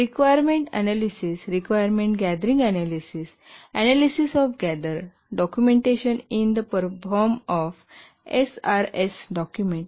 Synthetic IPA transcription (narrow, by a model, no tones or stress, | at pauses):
ɾikʋajəɾmẽɳʈɛ̰nalisisɾikʋajəɾmẽɳʈɡɛd̪əɾĩŋɡænalisis | ænalisisɔfɡæd̪əɾ | ɖɔkjumẽɳʈeɕənind̪əpəɾfɔɾmɔf | ḛsaɾesɖɔkjumẽɳʈ